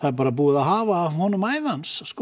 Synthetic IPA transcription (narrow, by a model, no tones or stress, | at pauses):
θaðɛɾp̬aːɾapuːɪðaɦaːvaːvhɔnʏmaːjvanssk